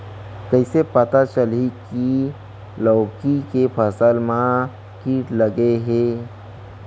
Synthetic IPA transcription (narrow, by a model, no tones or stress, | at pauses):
kəɪsepət̪at͡ʃəliki | lɔːkikepʰəsəlmã | kiːʈləɡeɦeː